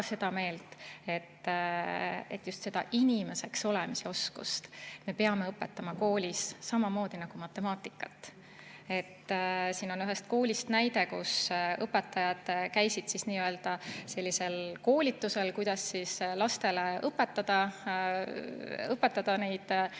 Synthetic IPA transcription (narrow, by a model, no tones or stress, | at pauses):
se̞d̪̥ɑme̞ːlt̪ˑe̞t̪ː | e̞̰t̪ːˑjust̪se̞d̪̥ɑ̰ʔinʲime̞se̞kso̞lemiseo̞skṵst̪me̞peɑme̞ɤpːˑe̞t̪ːˑɑmɑko̞ːlʲisːɑmɑmo̞ːd̪̥inɑɡ̥umɑt̪ːˑe̞mɑːt̪ːˑikːˑɑt̪ːˑ | e̞t̪ːsiːno̞nyɦest̪̚ko̞ːlʲist̪næjd̪e̞kṵsɤpːˑe̞t̪ːˑɑjɑd̪̥kæjsid̪̥sisniːøeld̪̥ɑse̞lʲːise̞lko̞ːlʲit̪ːuse̞lkujd̪̥ɑsːislɑst̪e̞leʔɤpːˑe̞t̪ːˑɑd̪̥ɑ | ɤpːˑe̞t̪ːɑd̪̥ɑne̞jd̪̥